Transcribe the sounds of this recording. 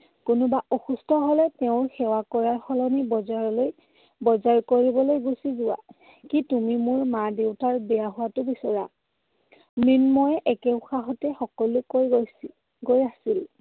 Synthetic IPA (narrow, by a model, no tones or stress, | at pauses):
kʊnʊbaʔoxustʰɔɦolɛteʊ̃ɹxɛwakɔɹaɹxɔlɔnibɔzloj | bɔzaɹkoɹibɔlojɡusizʊwa̰ | kitumimʊɹmadewtaɹbejaɦʊwatʊbisɔɹa̰ | mɹinmɔjɛʔɛkɛʊxaɦɔtɛxɔkɔlʊkoj | ɡojasil